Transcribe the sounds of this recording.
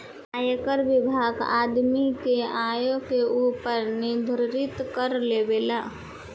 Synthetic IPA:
aːjkəɾʋɪbʱaːɡa̰ːd̪mikeaːjõkeuːpəɾnɪd̪ʱɾɾɪt̪kəɾlebeːlaː

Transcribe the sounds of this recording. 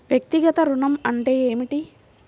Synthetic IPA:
ʋjɐk̚t̪iɡɐt̪ɐɾuɳɐmɐɳʈeːeːmiʈi

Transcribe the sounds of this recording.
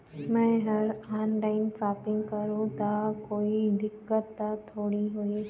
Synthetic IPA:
mɛ̃ɦəɾanlaɪnsaːpɪ̃ŋɡkəɾũt̪akoːid̪ɪkːət̪ːat̪ʰoːɽiɦoi

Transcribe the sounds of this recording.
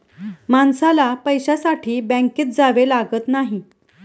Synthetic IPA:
mansalapəjɕasaʈʰiːbɛ̃ŋkiːt̪̚d͡zaʋelaɡət̪naɦi

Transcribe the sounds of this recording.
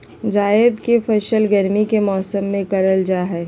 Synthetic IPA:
d͡ʒaːɪd̪kefʰɐʃəlɡəɾmikemɔːsəmːẽkɐɾəld͡ʒaɦɛː

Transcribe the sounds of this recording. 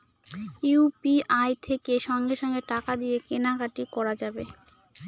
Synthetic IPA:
iupiʔajt̪ʰekeʃɔŋɡeʃɔŋɡeʈakad̪ijekenakaʈikɔɾad͡ʑabe

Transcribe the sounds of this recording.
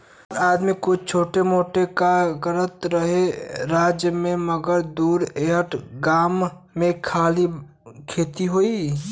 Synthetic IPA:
ɾaːd̪mikʊt͡ʃʰt͡ʃʰoːʈemoːʈekaɡəɾət̪ɾəɦeɾaːd͡ʒjəmẽməɡəɾd̪uːɾeɦəʈɡaːmː | ẽkʰaːli | kʰeːt̪iɦoi

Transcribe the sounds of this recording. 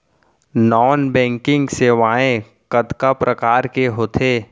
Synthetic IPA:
nɔːnbɛ̃ːŋkɪ̃ŋɡseːʋaːẽ | kɐd̪kapɾʔəkaːɾkeɦoːt̪ʰeː

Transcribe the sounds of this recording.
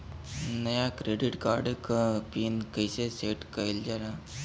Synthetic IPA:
nəjakɾeɖiʈkaɾɖkəpinkəjseseʈkəjld͡ʒaɾa

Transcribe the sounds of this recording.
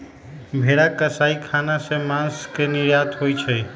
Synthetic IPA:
bʱeɽakəsaikʰanasemãnskeniɾjat̪ʰɦojt͡ʃʰɛ

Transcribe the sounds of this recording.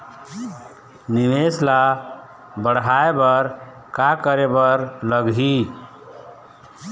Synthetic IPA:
niʋesla | bəɽɦaebəɾ | kakəɾebəɾləɡɦi

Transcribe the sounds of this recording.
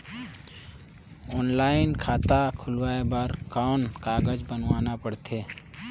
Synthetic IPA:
ɔːnlaːɪnkʰaːt̪akʰʊlwaːebəɾkaːnkaːɡəd͡ʒbənwaːnapəɽt̪ʰeː

